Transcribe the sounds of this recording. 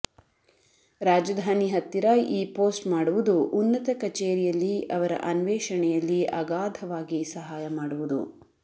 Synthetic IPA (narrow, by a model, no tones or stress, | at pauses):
ɾaːd͡ʒɐd̪ʱaːniɦɐt̪ːiɾaːjʔiːpo̞ːsʈmaːɽuʋud̪uʔunːɐt̪ɐkɐt͡ʃeːɾijɐlːiɐʋɐɾɐ̰ʔɐnʋɛːʂɐɳɛjɐlːiʔɐɡaːd̪ʱɐʋaːɡisɐɦaːjɐmaːɽuʋud̪ṵ